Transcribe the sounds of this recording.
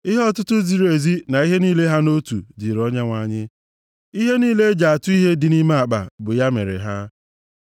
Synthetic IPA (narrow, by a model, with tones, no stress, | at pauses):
i˦ɦɔ˦tʊ˦tʊ˦zi˨ɾe˨zi˦na˨i˦ɦe˦niː˦le˦ɦa˦no˦tṵ˨dɪ˨ɾɔ˦ɲa˦ŋʷa˨ɲɪ˦ | i˦ɦe˦niː˦le˦d͡ʒa˨a˨tʊ˦i˦ɦe˦dɪ˨ni˦ma˦a˨k͡pa̰˨bʊ˨ja˦mḛ˨ɾḛ˨ɦa˦